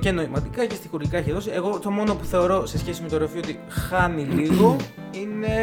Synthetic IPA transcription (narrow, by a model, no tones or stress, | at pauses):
ce̞no̞imɐt̪ikɐcest̪ixuɾʝikɐeçiðo̞sie̞ɣo̞t̪o̞mo̞no̞puθe̞o̞ɾo̞se̞sçe̞sime̞t̪oɾefioot̪i | xɐniliɣo̞ | ine̞